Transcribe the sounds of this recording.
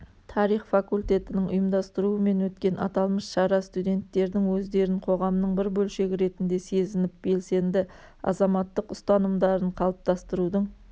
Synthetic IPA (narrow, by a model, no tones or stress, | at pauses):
t̪ʰɑɾijχfɑkulʲt̪ʲe̞t̪ɪnɪɴʔʊ̰jəmd̪ɑst̪əɾuəme̞nwɵt̪kʲe̞nʔɑ̰t̪ɑlˠməsʃɑɾɑst̪ud̪ʲe̞nt̪ːe̞ɾd̪ɪŋwɵzd̪e̞ɾɪɴqʰo̞ʁɑmnəɴbɪɾbɵlʃe̞ɡʲɪɾe̞t̪ɪnd̪e̞se̞zɪnɪp̚be̞lse̞nd̪ɪ | ɑ̰zɑmɑt̪ːəqʊst̪ɑnəmd̪ɑɾəɴqʰɑlˠəp̚t̪ʰɑst̪əɾud̪əɴ